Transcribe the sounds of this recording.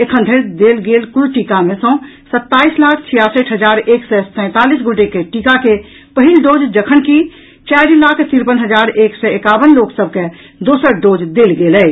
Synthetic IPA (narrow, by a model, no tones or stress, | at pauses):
ekʰənd̪ʱeɾd̪elɡelkuɾʈikamesɔ̃ː | sət̪ːaːislakʰt͡ʃʰijasəʈʰɦəd͡ʒaɾeksɛsə̃ɪ̃t̪alisɡʱoʈekeʈikake | pəɦilɖod͡ʒd͡ʒəkʰənki | t͡ʃɛɾilakʰt̪iɾpənɦəd͡ʒaɾeksɛekabənloksəb̚ʱke | d̪osəɾɖod͡ʒd̪elɡelɛ